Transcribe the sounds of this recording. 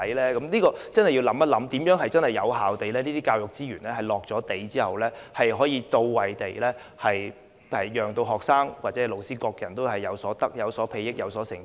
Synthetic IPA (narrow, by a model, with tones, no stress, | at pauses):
ɐ˨˥jlɛː˥kɐ˨˦˥mniː˥kɔː˧t͡sɐ˥nhɐ˨˩ji˧wlɐ˨˧˥mːɐ˥t̚lɐ˨˥mt̪iː˨˥mjœː˨˥ŋɦɐ˨˩jt͡sɐ˥nhɐ˨˩jːɐ˨˧wɦaː˨wt̪e˨jlɛː˥niː˥t̪iː˥kaː˧wjʊ˨k̚t͡siː˥jyː˨˩nlɛː˥hɐ˨˩jlɔː˨k̚t͡sɔː˨˥t̪e˨˩jt͡siː˥hɐ˨wlɛː˥hɐ˨jɦɔː˨˥jiː˨˧t̪o˧wwɐ˨jt̪e˨jlɛː˥ | hɐ˨j | pɛ˨˩jœː˨ŋt̪o˧wɦɔː˨˩k̚saː˥ŋwaː˨t̚t͡sɛː˨˦˥lo˨˩wsiː˥kɔː˧kːɛ˧jɐ˨˩nt̪o˥hɐ˨jːɐ˨˧wsɔː˨˥t̪ɐ˥k̚jɐ˨˧wsɔː˨˥pʰe˧jɪ˥k̚jɐ˨˧wsɔː˨˥sɪ˨˩ŋ